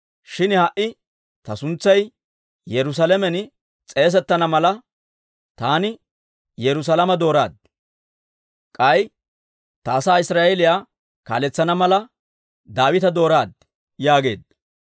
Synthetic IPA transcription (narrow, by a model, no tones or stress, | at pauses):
ʃɪnhɐʔɪ | t̪ɐsʊnt͡sːɐj | jɛɾʊs̬ɐlɛmɛn | t͡sʼe̞ːs̬ɛt̪ːɐnɐmɐlɐ | t̪aːnɪ | jɛɾʊs̬ɐlɐmɐd̪o̞ːɾa̰ːd̪̚ | kʼɐj | t̪ɐːsaːɪsɾaːʔɛlɪjaː | ka̰ːlɛt͡sːɐnɐmɐlɐ | d̪aːwɪt̪ɐd̪o̞ːɾaːd̪̚ | jaːɡe̞ːd̪̚